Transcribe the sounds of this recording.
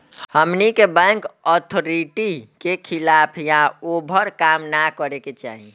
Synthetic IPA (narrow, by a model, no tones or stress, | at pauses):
həmnikebɛ̃ŋkɔt̪ʰoɾiʈikekʰilapʰjãobʱəɾkamnakəɾeket͡ʃa̰ɦi